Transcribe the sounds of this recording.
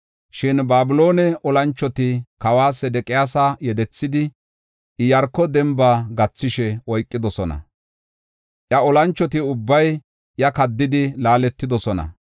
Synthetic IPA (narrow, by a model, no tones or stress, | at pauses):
ʃɪnbaːbɪlo̞ːnɛʔɔlɐnt͡ʃːɔt̪ɪkɐwaːsɛd̪ɛkʼɪjaːsaːjɛd̪ɛt͡sːɪd̪ɪ | ʔɪjɐɾkːɔd̪ɛmbaːɡɐt͡sːɪʃɛʔɔjkʼːɪd̪ɔsɔnɐ̰ | ʔjɐɔlɐnt͡ʃːɔt̪ɪʊbːɐj | jɐkɐd̪ːɪd̪ɪlaːlɛt̪ːɪd̪ɔsɔnɐ̰